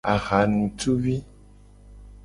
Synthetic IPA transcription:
a˨ɣa˨˦nũ˨tu˦wi˦

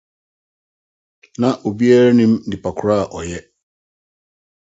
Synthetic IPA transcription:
nã˨ʔo˨bi˦a˦ɾa˦nĩ˦m̩˦dɪ˨pʰa˨kʰʊ˨ɾa˦a˨ʔɔ˨jɛ˦

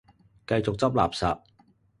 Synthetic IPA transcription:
kɐ˧jt͡sʊ˨k̚t͡sɐ˥p̬̚la̰ː˨˩p̚sa̰ː˨p̚

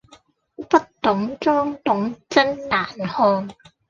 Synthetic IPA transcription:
pɐ˥t̚t̪ʊ˨˥ŋt͡sɔː˥ŋt̪ʊ˨˥ŋt͡sɐ˥nnaː˨˩nhɔː˧n

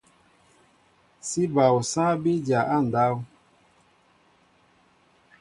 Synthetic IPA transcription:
si˦ba˨wu˨sã˦be˦d͡ʒa˨ʔa˦˨n̩˨da˦wu˦

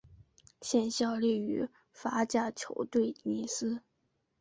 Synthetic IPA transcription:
ɕjɛ˥˧nɕjɑ˥˧ʊli˥˩y˧˥ | fa˧˥t͡ɕja˥˩t͡ɕʰjo˧˥ʊt̪we˥˩ɪni˧˥sɹ̩˥

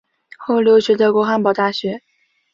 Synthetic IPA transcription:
xo˥˩ʊljo˧˥ʊɕɥɛ˧˥d̪ə˧kwɔ˧˥xa˧˥npɑ˨˩ʊt̪a˥˩ɕɥɛ˧˥

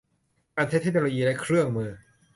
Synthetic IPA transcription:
kaː˧nt͡ɕʰa˦˥t̪ʰe˦˥nː˧oː˧jiː˧la˦˥jkʰɾɯ˥˩əŋmɯː˧

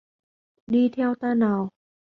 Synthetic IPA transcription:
diː˧˩t̪ʰɛ˧˨wt̪aː˧˩naː˨˦w

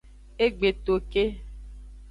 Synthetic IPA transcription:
e˦ɡ͡be˨t̪o˨ke˦

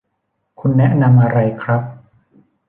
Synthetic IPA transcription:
kʰu˧nːɛ˦˥ʔna˧mʔa˧ɾa˧jkʰɾa˦˥p̚

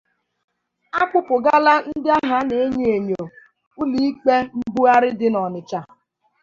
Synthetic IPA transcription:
a˦kʷʊ˦pʊ˨ɡa˦la˦n̩˦dɪ˦a˦ɦa˦ne˨e˦ɲe˦e˨ɲo˨ | ʊ˦li˦i˦k͡pe˦m̩˦bu˦a˦ɾɪ˦dɪ˦nɔ˨nɪ˨t͡ʃa˨

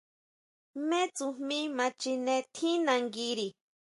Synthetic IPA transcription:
me˦t͡su˧mĩ˦mã˧t͡ʃi˧nẽ˧t̪ʰi˦nã˧ŋɡi˧ɾi˨

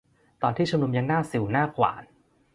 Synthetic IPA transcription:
t̪ɔː˧nt̪iː˥˩u˧mnu˧mja˧ŋnaː˥˩si˨˩˦wnaː˥˩kʰwa̰ː˩˦n

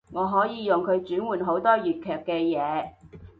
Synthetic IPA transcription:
ŋɔː˨˧ɦɔː˨˥jiː˨˧jʊ˨ŋkʰɵ˨˧ɥt͡ʃyː˨˥nwuː˨˩nɦo˨˥wt̪ɔː˥jyː˨t̚kʰœː˨˩kːɛː˧jɛː˨˧

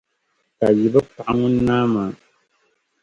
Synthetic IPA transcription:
ka˨ji˨ba˦pa˨ʔa˦ŋʊ̃˦naː˦ma˨˦

